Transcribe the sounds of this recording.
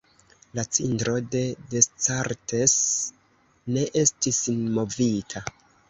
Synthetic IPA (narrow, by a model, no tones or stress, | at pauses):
lat͡sintɾo̞de̞dest͡saɾte̞s | ne̞ʔe̞stisinmo̞vitʰa